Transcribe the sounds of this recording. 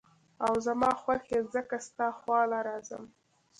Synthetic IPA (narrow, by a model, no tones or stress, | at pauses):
awzamɑxwaxezəkast̪ɑxwɑlaɾɑzə̰m